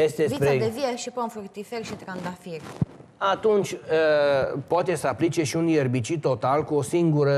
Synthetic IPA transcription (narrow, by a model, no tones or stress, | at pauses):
jest̪esvipɾed̪evieʃiponfurt̪iferʲʃit̪ɾand̪afirʲat̪unt͡ʃʲəpoat̪e̞səaplit͡ʃe̞ʃiunjerbit͡ʃit̪o̞t̪alkuo̞siŋɡuɾə